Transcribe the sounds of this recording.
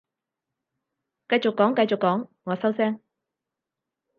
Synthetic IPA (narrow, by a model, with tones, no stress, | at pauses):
kɐ˧jt͡ʃʊ˨kːɔː˨˥ŋkɐ˧jt͡ʃʊ˨kːɔː˨˥ŋŋɔː˨˧sɐ˥wsɛː˥ŋ